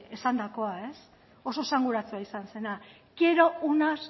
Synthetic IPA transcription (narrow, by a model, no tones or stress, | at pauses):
esand̪ako̞ae̞s | o̞so̞saŋɡuɾat͡suaisanse̞na | ɡ̥e̞ɾo̞unas